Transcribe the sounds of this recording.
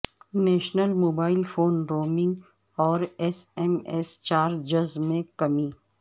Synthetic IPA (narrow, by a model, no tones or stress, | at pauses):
nɛːʃnəlmoːbaːɪlfoːnɾoːmɪ̃ŋɡ | ɔːɾɛsɛmɛst͡ʃaːɾd͡ʒɐzmẽkɐmiː